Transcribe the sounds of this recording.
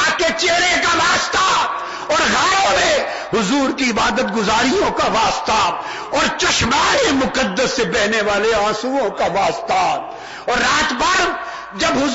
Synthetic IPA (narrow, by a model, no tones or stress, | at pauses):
ket͡ʃeːɾekaʋaːst̪a | ɔːɾɣaːjõmẽ | ɦʊzuːɾkiɪbaːd̪ət̪ɡʊzaːɾijõkaʋaːst̪a | ɔːɾt͡ʃɐʃmaːɾimʊkəd̪ːəsːebɛɦneʋaːleãːsuːõkaʋaːst̪a | ɔːɾːaːt̪bɐɾ | d͡ʒɐbɦʊ